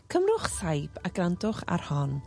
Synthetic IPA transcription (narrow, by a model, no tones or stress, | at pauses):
kʰəmrʊχsajpʰaɡ̥randʊχa̰rhɔn